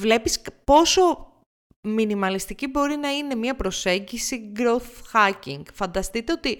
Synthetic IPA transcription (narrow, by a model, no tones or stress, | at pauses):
vle̞pispo̞so̞ | minimɐlist̪icibo̞ɾinɐine̞mɲiɐpɾo̞se̞ɲɟisiɡɾo̞θxɐciŋɡ̥fɐnd̪ɐst̪it̪e̞o̞t̪i